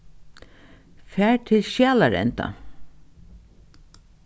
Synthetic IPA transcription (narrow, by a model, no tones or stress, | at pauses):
fæːɹt̪ʰɪlʃjaːlaɾɛ̰nt̪a̰